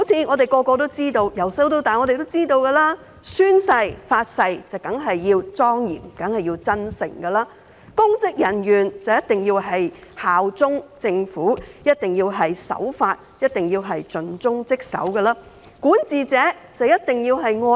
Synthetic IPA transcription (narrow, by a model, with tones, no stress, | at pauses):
o˨˥wt͡sʰiː˧ŋɔː˨˧t̪e˨jkɔː˧kɔː˧t̪̬o˥wt͡siː˥t̪o˧wjɐ˨˩wsɐ˨˥wt̪o˧wt̪aː˨nŋɔː˨˧ɾe˨jt̪o˥wt͡siː˥t̪o˧wkɐ˧laː˥ | syː˥nsɐ˧jfaː˧t̚sɐ˧jt͡sɐ˨wkɐ˨˥ŋɦɐ˨jːiː˧wt͡sɔː˥ŋjḭː˨˩nkɐ˨˥ŋhɐ˨jiː˧wt͡sɐ˥nsɪ̰˨˩ŋɡɐ˧laː˥ | kʊ˥ŋt͡sɪ˥k̚jɐ˨˩njyː˨˩nt͡sɐ˨˩wjɐ˥t̪ɪ˨ŋjiː˧wɦɐ˨jhaː˨wt͡sʊ˥ŋt͡sɪ˧ŋfuː˨˥jɐ˥t̚t̪ɪ˨ŋjiː˧wɦɐ˨jsɐ̰˨˥wfaː˧t̚jɐ˥t̚t̪ɪ˨ŋjiː˧wɦɐ˨jt͡sɵ˨nt͡sʊ˥ŋt͡sɪ˥k̚sɐ̰˨˥wkɐ˧laː˥ | kuː˨˥nt͡siː˨t͡sɛː˨˥t͡sɐ˨˧wjɐ˥t̚t̪ɪ˨ŋjiː˧wɦɐ˨jŋɔː˧